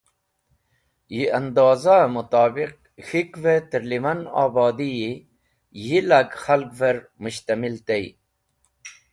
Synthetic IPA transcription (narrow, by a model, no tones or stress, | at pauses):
jiɐnd̪ɑːzamut̪ɑːbiq̚ | xikvet̪iɾlimɐna̰ːbɑːd̪iji | jilaɡxalkveɾmuɕt̪amilt̪ej